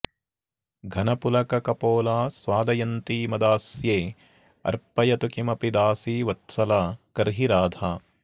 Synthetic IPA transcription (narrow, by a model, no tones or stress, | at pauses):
ɡʱɐnɐpulɐkɐkɐpoːlaːsʋaːd̪ɐjɐnt̪iːmɐd̪aːsjeː | ɐ̰ɾpɐjɐt̪ukimɐpid̪aːsiːʋɐt̪sɐlaːkɐɾɦiɾaːd̪ʱaː